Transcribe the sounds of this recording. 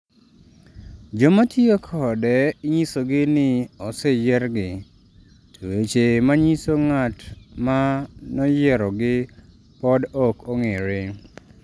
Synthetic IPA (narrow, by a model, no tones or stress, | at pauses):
d͡ʒomatʰiokʰɔdɛɪɲisoɡɪnɪɔsɛjɛɾɡɪ | tʰowet͡ʃemaɲisoŋatmanɔjɛɾɔɡɪ | pɔdɔkʰoŋeɾɪ